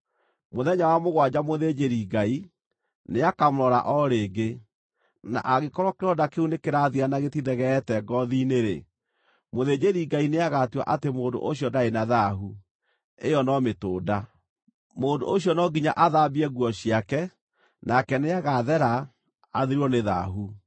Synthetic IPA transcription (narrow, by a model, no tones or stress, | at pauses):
moðɛɲawamoɣwad͡ʑamoðed͡ʒeɾiɡai | neakamɾɔɾa̰ʔɔɾeːɡe | na̰ʔaɣekɔɾwakeɾɔdakeunekeɾaðianaɣetiðɛɣɛtɛɡɔðineɾḛ | moðed͡ʒeɾiɡaineaɣatwa̰ʔatemoːndo̰ʔoɕjɔdaenaðaɦu | ejɔnɔmetoːda | moːndo̰ʔoɕjɔnɔɡiɲa̰ʔaðabiɛɣwɔɕiakɛ | nakɛneaɣaðɛɾaː | ðiɾɔneða̰ɦu